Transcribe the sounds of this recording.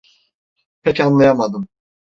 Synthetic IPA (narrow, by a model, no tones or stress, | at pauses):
pʰɛcanlˠajamad̪ɯm